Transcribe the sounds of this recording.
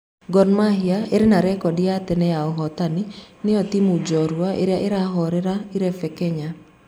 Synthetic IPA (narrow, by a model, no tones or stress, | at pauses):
ɡɔnmaɦiaeɾenaɾɛkɔdiatɛnɛjaɔɦɔtaninɪɔtimud͡ʒɔɾwaʔḛɾjaʔeɾaɦɔɾeɾaiɾɛfɛkɛɲa